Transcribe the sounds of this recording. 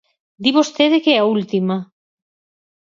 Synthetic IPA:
d̪iβost̪eðekeɛault̪ima

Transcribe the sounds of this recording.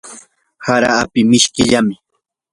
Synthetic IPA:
haɾaːpɪmɪʃkɪʎamɪ

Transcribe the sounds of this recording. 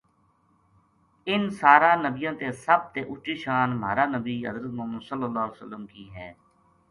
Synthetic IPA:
ɪnsaːɾaːnəbijãːt̪eːsəb̚t̪eːʔʊt͡ʃiːʃaːnma̰ːɾaːnəbiːɦə̰zɾət̪moːmənsəlːəlːaːleːsəlːəmkiːɦɛː

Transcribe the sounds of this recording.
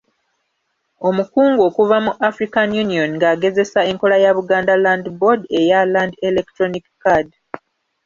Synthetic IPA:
o̞mukuːŋɡo̞ːkuvamuʔafɾikanjunio̞nŋɡaːɡe̞ze̞sae̞ŋko̞lajaβuɡaːndalandbodejalandelektɾonikkad

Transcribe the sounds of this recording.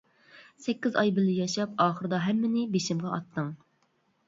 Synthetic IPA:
sɛkʲːizɑjbɪlɪjɑʃɑp̚ɑːχəɾɨd̪ɑɦɛmːɪnɪbeʃɪmʁɑʔɑt̪ʰːɨŋ

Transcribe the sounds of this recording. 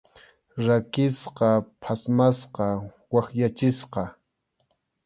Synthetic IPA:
ɾakɪsqɑpʰasmasqɑ | waχjat͡ʃɪsqɑ

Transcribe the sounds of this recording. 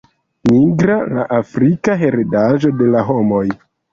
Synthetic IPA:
miɡɾala̰ʔafɾikaɦeɾedaʒo̞de̞laɦo̞mo̞j

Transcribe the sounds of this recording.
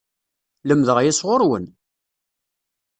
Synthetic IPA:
ləmðəʁjisʁoɾwən

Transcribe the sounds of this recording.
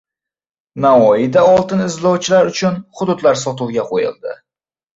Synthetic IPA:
naɒjɪd̪aɒlˠt̪ɪnɪzlɒwt͡ʃʰɪlaɾʊt͡ʃʰʊnχʊd̪ʊd̪laɾsɒt̪ɪlˠɡʲaqʰojɪ̰lˠd̪ɪ̰

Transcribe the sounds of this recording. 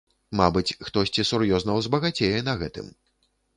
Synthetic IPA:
mabɨt͡sʲxt̪ɔsʲt͡sʲisurjɔznɐwzbɐɣat͡sʲejɛnɐɣɛt̪ɨ̰m

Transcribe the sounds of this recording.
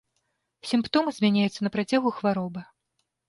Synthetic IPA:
sʲimpt̪ɔmɨzʲmʲanʲajut̪sɐnɐpɾat͡sʲaɣuxvaɾɔbɐ

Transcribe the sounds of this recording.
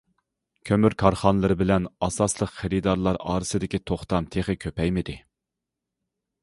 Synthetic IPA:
kʲʰømyɾkʰɑɾχɑnlˠɨɾɨbɪlɛnɑsɑslˠəqχeɾɪd̪ɑɾlˠɑɾɑːɾɨsɨd̪ɪkʲit̪ʰoχt̪ɑmt̪ʰeχɪkʲʰøpɛjmɪd̪ɪ

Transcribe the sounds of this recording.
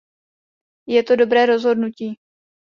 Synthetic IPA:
jɛt̪o̞do̞bɾɛːɾo̞zɦo̞dnuciː

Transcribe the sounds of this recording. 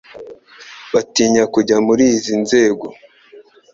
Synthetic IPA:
βatiːɲakuɟamuɾiːzinze̞ːɡo̞

